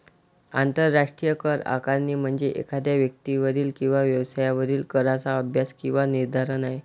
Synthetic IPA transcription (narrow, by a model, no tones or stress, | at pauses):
a̰nt̪əɾːaʂʈɾijəkəɾa̰kaɾniːm̤əɳd͡zeʔḛkʰad̪jaʋjək̚t̪iʋəɾiːlkĩw̃ʋaʋjəʋsajaʋəɾiːlkəɾat͡saəbʱjaskĩw̃ʋaniɾd̪ʱaɾənaɦj